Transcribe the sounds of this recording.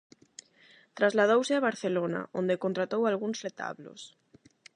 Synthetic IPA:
t̪ɾazlað̞owseaβaɾθelona̰ʔõnd̪ekont̪ɾat̪owalɣuŋsret̪a̰βlo̰s

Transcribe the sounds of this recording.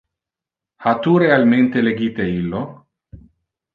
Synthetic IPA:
hat̪urealmẽnt̪eleɡit̪eilːo

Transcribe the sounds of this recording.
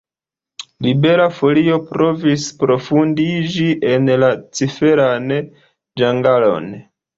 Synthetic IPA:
libe̞ɾafo̞lio̞pɾo̞vispɾo̞fundid͡ʒiʔe̞nlat͡sife̞ɾan | d͡ʒaŋɡalo̞̰n

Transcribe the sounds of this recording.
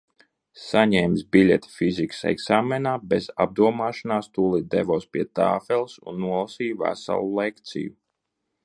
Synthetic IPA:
saɲɛjmsbilʲɛt̪fiziksɛ̰ɡsaːmɛnaːbɛza̰b̚d̪uɔmaːʃanaːst̪ulˠid̪ɛvɔːspʲiɛt̪a̰ːfɛlˠsṵnːuɔlˠasiːjvæ̰sa̰lˠulˠɛkt̪sḭju

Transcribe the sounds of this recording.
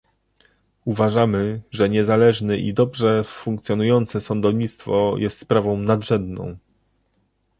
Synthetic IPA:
uvaʐamɘʐɛɲɛzalɛʐnɘʔḭd̪ɔbʐɛfuŋkt̪sʲjɔnujɔnt̪sɛsɔnd̪ɔvɲit̪st̪fɔjʔɛst̪spɾavɔ̃w̃nad̪ʐɛnd̪nɔ̰̃w̃

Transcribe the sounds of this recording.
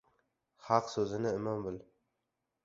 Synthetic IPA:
hɑqsɵzɪnɪɪmɑmbɪl

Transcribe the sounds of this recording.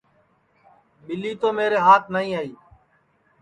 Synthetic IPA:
ɓɪliːt̪oːmeːɾeːɦaːt̪̚ʰnaːĩːaːiː

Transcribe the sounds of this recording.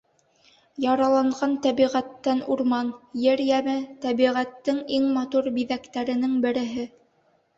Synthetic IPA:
jɑɾɑlˠɑɴʁɑnt̪æβiʁæt̪ːænuɾmɑnjɘɾjæmɘt̪æβiʁæt̪ːɘŋiŋmɑt̪uɾbiðækt̪æɾɘ̆nɘŋbɘ̆ɾɘ̆ɦɘ

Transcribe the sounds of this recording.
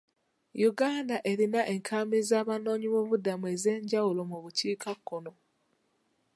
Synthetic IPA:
juɡaːndaʔe̞ɾinaʔe̞ŋkʰaːmizaːβano̞ːɲiβoβudamue̞ze̞ːɲɟawulo̞muβuciːkakːono̞

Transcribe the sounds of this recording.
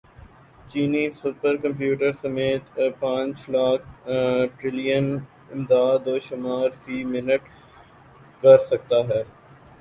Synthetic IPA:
t͡ʃiːnisʊpəɾkɐ̃mpjuːʈəɾsɐmeːt̪pãːt͡ʃlaːk̚ʈɾɪlijən | ɪmd̪aːd̪ːoːʃʊmaːɾfiːmɪnəʈ | kɐɾsɐk̚t̪aɦɛː

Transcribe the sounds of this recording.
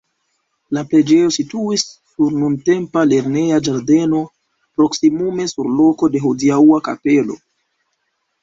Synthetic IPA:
laple̞d͡ʒe̞jo̞situisːuɾnunte̞mpale̞ɾne̞ad͡ʒaɾde̞no̞ | pɾo̞ksimume̞suɾlo̞ko̞de̞ɦudiauaka̰pe̞lo̞̰

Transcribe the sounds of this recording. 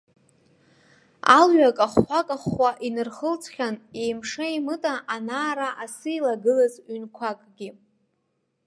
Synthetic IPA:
a̰lɥakʼaχʷakʼaχʷaʔinɨrχəlt͡sʰʼχʲanejmʂaimɨtʼaʔanaːɾaʔasɨilaɡɨlazɥɥnkʷʰakʼɡʲi

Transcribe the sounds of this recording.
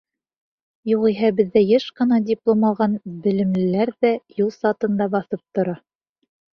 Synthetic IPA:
juʁiɦæbɘ̆ðːæjɤʃqɤ̆nɑdʲɪplˠomɑlˠʁɑnbɘ̆lɘ̆mlɘ̆læɾðæjulˠsɑt̪ɤ̆nd̪ɑbɑθɤp̚t̪ŏɾɑ

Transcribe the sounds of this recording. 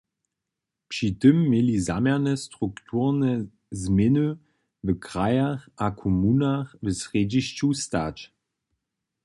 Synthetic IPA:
pʃitəmːeliza̰mɛnəstʁuktʰuːʁnə | zmɪnø | vəkʁajɐʁʔakʰomunaʁvəsʁeːdiʃtustaːt

